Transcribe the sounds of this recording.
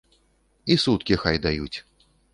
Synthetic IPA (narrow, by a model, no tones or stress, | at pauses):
isut̪kʲixajd̪ajut͡sʲ